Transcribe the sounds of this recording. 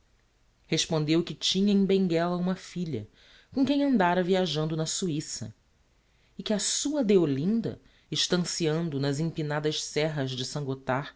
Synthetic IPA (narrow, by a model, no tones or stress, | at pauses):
heʃpõnd̪ewkɪt͡ʃĩɲɐẽj̃bẽŋɡɛlɐũmɐfiʎɐ̰ | kõkẽj̃ɐ̃nd̪aɾɐviaʒɐ̃nd̪ʊnɐsuisɐ̰ | ɪkɪɐsuɐd̪eolĩnd̪ɐ̰ | ɪʃt̪ɐ̃siɐ̃nd̪ʊnɐzĩpinad̪ɐʃsɛɦɐzd͡ʒɪsɐ̃ŋɡot̪a